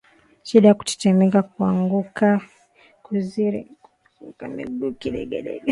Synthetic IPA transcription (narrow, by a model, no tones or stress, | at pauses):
ʃiɗajaku̥tɛ̥t͡ʃɛmɛkak̚uaŋɡuka | kuziɾḭ | ukamḭɡukiɗɛ̰ɡɛ̰ɗɛ̰